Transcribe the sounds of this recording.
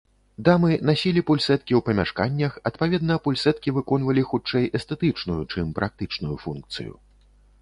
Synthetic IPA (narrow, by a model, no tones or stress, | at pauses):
d̪amɨnasʲilʲipulʲsɛt̪̚kʲiwpɐmʲaʂkanʲːɐxɐt̪pavʲɛd̪nɐpulʲsɛt̪̚kʲivɨkɔn̪vɐlʲixut͡ʂɛjɛst̪ɛt̪ɨt͡ʂnujut͡ʂɨmpɾʔak̚t̪ɨt͡ʂnujufunkt̪sɨ̰jṵ